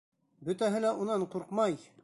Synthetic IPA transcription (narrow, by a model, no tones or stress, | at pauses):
bɵ̆t̪æɦɘlæʔunɑɴquɾqmɑj